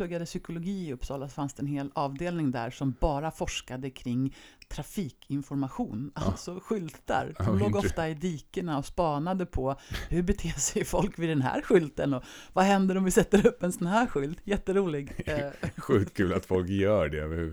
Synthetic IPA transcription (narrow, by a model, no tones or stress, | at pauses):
ɵɡːad̪əsʏkʊlʊɡiːɵpːsɑːlasfansd̪ɛnheːlɑːvd̪eːlnɪŋd̪æ̰ːɾʂɔmbɑːɾafɔʂkad̪əkʰɾɪŋːt̪ʰɾafiːkʰɪnfɔɾmaɧuːnʔalt̪sɔɧʏlt̪a̰ɾloːɡɔftt̪aɪd̪iːkəɳaɔspɑːnad̪əpʰɔhɵɾbɛt̪ʰeːsɛjfɔlkvɪd̪ɛnɦæ̰ːɾɧʏlt̪ənɔvaɦɛnd̪əɾɔmvɪsɛt̪ːəɾɵpːɛnsɔnhæːɾɧʏlt̪jɛt̪ːəɾuːlɪɡ | ɧʉːt̪kʰʉːla̰t̪fɔlkjœːɖɛœvəɾ